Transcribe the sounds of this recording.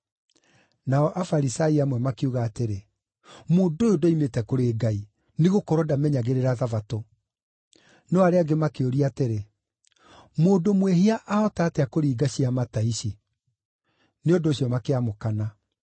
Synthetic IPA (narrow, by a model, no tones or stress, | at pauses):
naɔʔafaɾisaiamwɛmakeuɣaːteɾe | moːdoodoimetɛkoɾeːɡai | neɣokɔɾɔdamɛɲaɣeɾeɾaðavato | nɔaɾeaɡemakeoɾiateɾe | moːdomweɦiaʔaɔtaːtɛakoɾiːɡaɕiamataiɕi | neondoːɕjɔmakeamokana